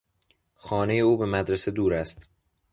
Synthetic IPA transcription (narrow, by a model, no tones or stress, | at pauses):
xɒːne̞je̞uːbe̞mæd̪ɾese̞d̪uːɾæst̪